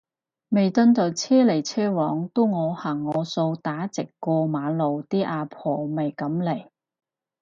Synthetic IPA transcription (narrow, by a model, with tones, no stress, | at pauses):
me˨˩jt̪ɵ˧nt̪ɐ˨˩wt͡sʰɛː˥le˨˩jt͡sʰɛː˥wɔː˨˥ŋt̪u˥wŋɔː˨˧haː˨˩ŋːɔː˨˧so˧wt̪aː˨˥t͡sɪ˨kːɔː˧maː˨˥lo˨wt̪iː˥ʔaː˧pʰɔː˨˩mɐ˨˩jkɐ˨˥mle˨˩j